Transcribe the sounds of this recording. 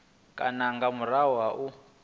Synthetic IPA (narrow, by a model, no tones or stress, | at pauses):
kʼa̰naŋɡamuɾawaʔu